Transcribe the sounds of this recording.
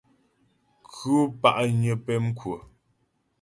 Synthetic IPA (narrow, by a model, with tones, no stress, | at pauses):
kʰʉ˦pa˦ʔɲə˨pɛ˦m˦kwə˨